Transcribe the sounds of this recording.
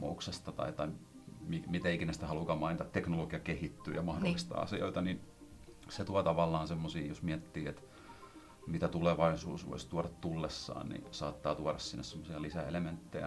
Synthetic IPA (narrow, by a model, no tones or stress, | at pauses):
o̰uksest̪ɑt̪ɑ̰it̪ɑimimit̪æikinæst̪æhɑlukɑmɑint̪ɑˑt̪eknoloɡ̥iɑkehit̪ːy̰ːjɑmɑhdolːist̪ɑ̰ɑ̰sio̰it̪ɑnin | set̪uɑt̪ɑʋɑlːɑːnsemːosiːjosmiæt̪ːiːet̪ | mit̪æt̪uleʋɑisṵːsʋo̰ist̪uɑɾɑt̪t̪ulːesːɑ̰ːnnḭsɑːt̪ːɑːt̪uɑɾɑssinːessemːosiɑlisæḛlement̪ːejæ̰